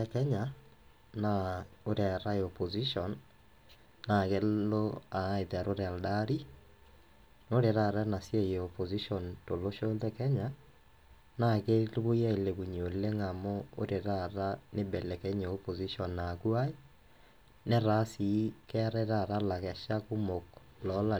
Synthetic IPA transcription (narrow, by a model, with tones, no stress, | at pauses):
ɛkɛ˦ɲa | nao˦ɾɛ˨ɾa˦eɔpo˨zi˦ʃɔn | na˨ɣe˦lo˦a˨˦e˨ðɛ˨ɾo˦ɾɛ˨a˨ldaɾi˦ | no˦ɾe˨ɾa˨ɾa˦na˨sje˦eɔpo˨zi˦ʃɔ˨nto˨lo˦ʃo˦ðɛ˦kɛ˦ɲa | na˨ke˦lβo˦jɛ˦˨le˨βu˨ɲo˨le˦ŋa˨mɔ˦o̰˦ɾe˨ɾa˦ɾa˦ne˦bɛ˨lɛ˨kɛ˦ɲoː˨po˨zi˦ʃɔ˨nːa˨kwa˦i˦ | nɛ˦ɾa˦si˨˦kɛ˦ɾɛ˦ɾa˦ɾa˦la˨ɣɛ˨ʃa˦ku˦mo˨k | lɔ˦la˨